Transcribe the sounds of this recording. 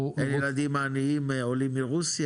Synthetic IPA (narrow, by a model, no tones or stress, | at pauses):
enjlad̪imːaːniimeolimːiʁusj